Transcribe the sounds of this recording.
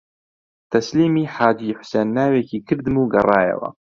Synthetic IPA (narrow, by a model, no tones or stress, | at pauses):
t̪ʰɐsliːmiːħaːd͡ʒiːħʊ̥seːnːaːwekiːkʰɨɾd̪ɨmuːɡɐrˤɑːjɐ̰wɐ̰